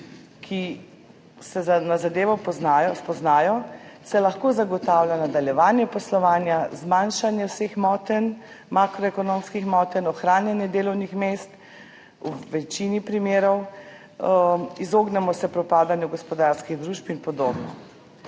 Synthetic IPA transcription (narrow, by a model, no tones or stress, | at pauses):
kʰi | sɛzanazad̪eːʋɔpɔznajɔspɔznaːjɔsɛlaxkoːzaɡɔt̪aːwlʲjanad̪aljɛʋaːnjɛpɔslɔʋaːnjazmanʃanjɛwsexmɔːt̪ɛn | makɾɔɛkɔnomskixmɔːt̪ɛnɔxɾaːnjɛnjɛd̪eːlɔwnixmest̪ | uʋɛt͡ʃinipɾimeːɾɔw | izoːɡnɛmɔsɛpɾɔpaːd̪anjɛɡɔspɔd̪aɾskiɣd̪ɾuʃpinpɔd̪oːbnɔ̰